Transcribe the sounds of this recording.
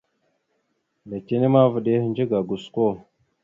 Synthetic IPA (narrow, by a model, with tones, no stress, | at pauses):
da˨ke˦ne˦ma˦və˨ɗe˦nd͡ʒe˦ɡa˨ɡu˨sko˦˨